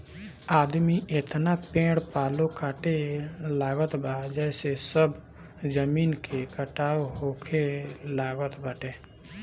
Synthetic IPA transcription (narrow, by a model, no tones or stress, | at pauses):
aːd̪miʔet̪napẽːɽpaːlokaːʈelaːɡət̪bad͡ʒɛːsesəb | zəmiːnkʰekəʈaːoɦoːkʰelaːɡət̪bəʈe